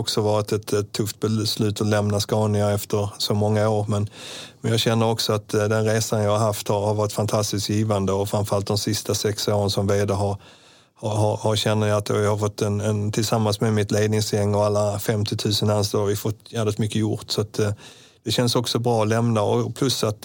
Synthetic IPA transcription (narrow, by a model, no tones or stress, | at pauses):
ɔksɔvɑːɾɪt̪ɛt̪ɛt̪ʰːɵft̪bɛslʉ̟ːt̪ɔlɛmnaskɑːnɪŋaɛft̪əɾsɔmɔŋːaoːɾmɛnmɛnjɑːɡɕɛnːəɾɔksɔat̪d̪ɛnɾeːsanjɑːɡhaɾɦaft̪haɾhaɾvɑːɾɪt̪fant̪ʰast̪ɪskjiːvand̪əɔfɾãnɱfəɾalt̪d̪ɔmsɪst̪asɛksoːɾənsɔmveːd̪əɦaɾ | hɑhɑhaɾɕɛnːəjaat̪o̰jahaɾfɔt̪ːɛnɛnt̪ʰɪlsamːansmɛmɪt̪leːd̪nɪŋsjɛŋːɔalːafɛmt̪ɪt̪ʰʉ̟ːsənanstɔaɾvɪfɔt̪ːjæːlɪt̪mʏkːəjʊɾʈsɔat̪ | d̪̥ɛɕɛnsɔksɔbɾɑːɔlɛmnaɔpʰlɵsːat̪